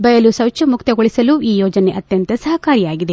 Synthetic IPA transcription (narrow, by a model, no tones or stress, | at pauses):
bɐjɐlusɐwt͡ʃɐmukt̪ɐɡoɭisɐluiːjɔːd͡ʒɐne̞ʔɐt̪jɐnt̪ɐsɐɦɐkaːɾijaːɡid̪e̞